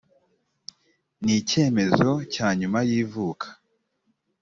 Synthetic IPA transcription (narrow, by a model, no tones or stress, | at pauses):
nice̞ːme̞zo̞caːɲumajiːvuːkʰḁ